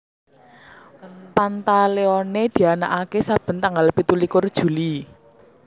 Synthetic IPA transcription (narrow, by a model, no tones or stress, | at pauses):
pant̪aleɔned̪̥i̤ana̰ʔakesab̥ə̤nt̪aŋɡalpit̪ulikʊrd̥ʒ̥ṳli